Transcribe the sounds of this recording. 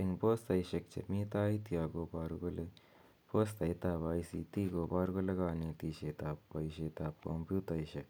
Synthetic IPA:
iŋpoːst̪ɐjʃɐk̚t͡ʃʰḛmiːt̪aːit̪ijaːɡoːbaːɾuɡole | poːst̪ɐjt̪aːbaːisit̪iːɡoːbaːɾuɡoleɡaːneːt̪iːʃeːt̪aːppɐjʃeːt̪aːp̚ko̰mpjuːt̪ɐjʃɐk̚

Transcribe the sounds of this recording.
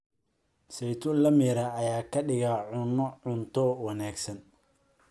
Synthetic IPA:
sɛjt̪ʰʊnlɐmɪɾɐːjaːkʰɐɖɪɣaʕʊnɔʊnt̪ʰɔwɑnaːɡsɐn

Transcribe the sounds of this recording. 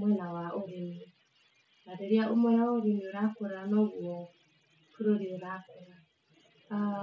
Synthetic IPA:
mwɛnawaʔoɾeme | naɾeɾiaʔomwɛjawaoɾemioɾakoɾanɔɣwɔ | kuɾoɾeoɾakoɾa | a

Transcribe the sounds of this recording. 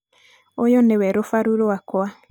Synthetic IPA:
ojonewɛɾofaɾuɾowakwa

